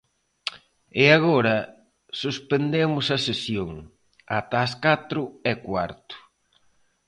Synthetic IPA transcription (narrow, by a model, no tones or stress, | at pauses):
ɪaɣoɾɐ | suspend̪emʊsɐsesjoŋ | a̰t̪aːskat̪ɾʊɛkwaɾt̪ʊ̥